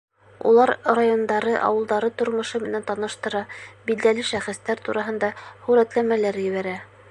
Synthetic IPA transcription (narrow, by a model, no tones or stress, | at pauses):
ṵlˠɑɾrajond̪ɑɾɤʔɑ̰wɤ̆lˠd̪ɑɾɤt̪ŏɾmŏʃɤmɘ̆nænt̪ɑnɤ̆ʃt̪ɤ̆ɾɑbild̪ælɘʃæχɘ̆st̪æɾt̪uɾʔɑɦɤ̆nd̪ɑχʉɾæt̪læmælæɾjɘ̆βæɾæ